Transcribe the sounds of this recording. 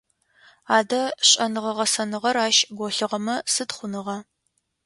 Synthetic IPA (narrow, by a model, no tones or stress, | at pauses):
aːdɐɕʼɐnɨʁɐʁɐsɐnɨʁɐraːʃɡʷɔɬɨʁɐmɐsɨtχʷʊnɨʁɐ